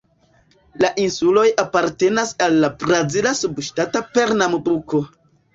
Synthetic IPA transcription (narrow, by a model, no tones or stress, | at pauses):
laʔinsulo̞japaɾte̞nasalːabɾazilasubʃtatape̞ɾnamoduko̞